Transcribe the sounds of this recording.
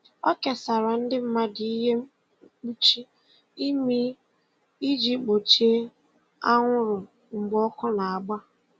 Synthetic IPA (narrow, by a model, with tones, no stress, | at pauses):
ɔ˦ke˨sa˨ɾa˨n̩˦dɪ˦m̩˦ma˦di˨i˦ɦe˦m̩˦ | k͡pu˦t͡ʃi˦ | i˦mi˦ | i˦d͡ʒi˦k͡po˨t͡ʃe˦ | a˦ŋʷʊ˦ɾʊ˨ | ŋ͡m̩˨ɡ͡bɔ˦kɔ˦na˨a˨ɡ͡ba˦